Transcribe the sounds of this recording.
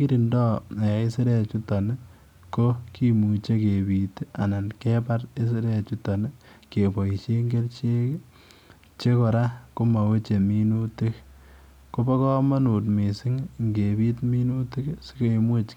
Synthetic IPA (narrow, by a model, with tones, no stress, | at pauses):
ki˦ɾi˨ndɔ˦e˨i˦si˦ɾe˦t͡ʃu˦tɔ˨n˦ | ko˦ki˦mu˨t͡ʃe˦ke˨bi˨ta˨na˨nke˦pa˦ɾe˦s̬i˦ɾe˦˨t͡ʃu˦tɔ˨ne˦ | ke˨pɔ˨i˨ʃe˦ŋɡe˦lt͡ʃe˦k | t͡ʃe˦kɔ˨ɾa˦ko˦ma˨we˦t͡ʃe˨mi˦nu˦ti˦k | ko˦bɔ˦kɔ˦ma˦nu˨tmi˨sɪ˦ŋŋɡe˨bi˦tmi˦nu˦ti˦ksi˦ke˨mu˦t͡ʃ